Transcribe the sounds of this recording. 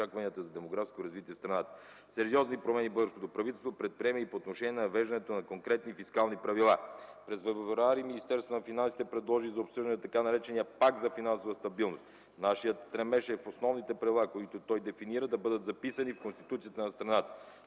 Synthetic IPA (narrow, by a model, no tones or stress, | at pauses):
akvɐniət̪əzɐd̪ɛmoɡɾafskoɾɐzvit̪iɛst̪ɾɐnat̪ə̥ | sɛɾiɔznipɾomɛnibɤlˠɡəɾskot̪opɾɐvit̪ɛlˠst̪vopɾɛt̪̚pɾiɛməipoːt̪noʃɛniɛnɛnɐvɛʒd̪ənɛt̪onɐkoŋkɾɛt̪nifiskalˠnipɾɐvilˠapɾɛzvɛvɾaɾiminist̪ɛɾst̪vonɐfinansi̥t̪ɛpɾɛd̪lˠɔʒizɐopsəʒd̪niət̪ɐkanɐɾɛt͡ʃɛnijəpak̚t̪zɐfinansovəst̪ɐbilˠnost̪ | naʃijət̪st̪ɾɛmɛʃɛfosnɔvnit̪ɛpɾɐvʲilˠakoit̪ot̪ɔjd̪ɛfiniɾəd̪ɐbɤd̪ət̪zɐpisɐnifkonst̪i̥t̪ut̪sijət̪ənɐst̪ɾɐnat̪ə̥